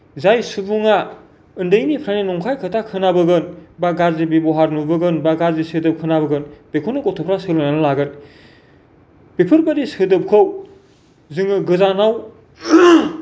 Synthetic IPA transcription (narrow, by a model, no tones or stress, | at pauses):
zajsubuŋa | ɯndɯjnipʰɾaninɔŋkʰajkʰɯtʰakʰɯnabɯɡɯnbaɡaɾzibibɔɦaɾnubɯɡɯnbaɡaɾzisɯdɯp̚kʰɯnaβɯɡɯnb̥ekʰonɯkɔtʰɔpʰɾasɯlananɯlaɡɯn | pepʰɯɾbadisɯdɯp̚kʰɯw | zɯŋɯɡɯzanaw